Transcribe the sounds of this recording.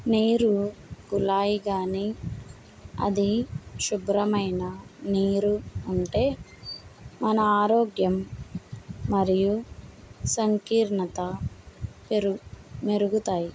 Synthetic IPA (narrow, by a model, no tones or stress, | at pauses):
niːɾuɡulaːjiɡaːni | ɐ̰d̪iʃubɾɐmɐjnɐniːɾuːɳʈe̞ː | mɐnɐaːɾoːɡjɐmː | ɐɾiju | sɐŋkiːɾɳɐt̪ɐ | peɾumeɾuɡut̪aːji